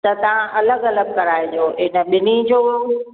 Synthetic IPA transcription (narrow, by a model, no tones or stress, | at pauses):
t̪ɐt̪ɐʋ̤ãʔɐləɡɐləɡ̚kɐɾaːɪd͡ʑoːɪnə̆ɓɪnid͡ʑoː